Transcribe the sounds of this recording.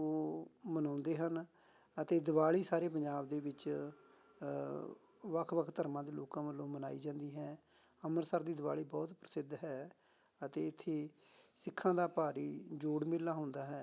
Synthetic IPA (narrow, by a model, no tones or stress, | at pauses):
oːmənãːnd̪eːɦən | ət̪eːd̪əʋaːɭiːsaːɾeːp̬ə̃ɲd͡ʒaːbd̪eːʋɪt͡ʃ | ʋəkʰʋəkʰt̪əɾmãːd̪eːloːkãːʋəlːõːmənaːḭːd͡ʒãːnd̪iːɦɛː | əməɾsəɾd̪iːd̪ɪʋaːɭiːbɔːt̪pɾəsɪd̪ɦɛː | ət̪eːɪt̪ʰːeː | sɪkʰːãːd̪aːpaːɾiːd͡ʒoːɽmɪlːaːɦʊ̃nd̪aːɦɛː